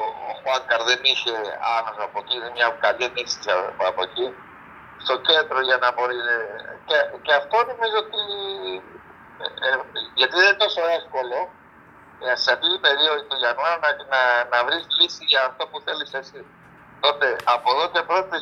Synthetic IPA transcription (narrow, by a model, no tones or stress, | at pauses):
o̰xɐkɐɾðeniçe̞ɐnosɐpociðemɲɐkɐlinisisɐ̰ɐpo̞ci | st̪o̞ce̞nd̪ɾo̞ʝɐnɐbo̞ɾiceceɐft̪o̞no̞mizoot̪i | ʝɐt̪iðet̪o̞so̞e̞fko̞lo̞ | seɐft̪it̪ipe̞ɾioðit̪oʝɐnɐnɐnɐnɐvɾislisiʝɐːft̪o̞puθe̞lisesi | t̪o̞t̪e̞ɐpo̞ðo̞ce̞pɾo̞t̪e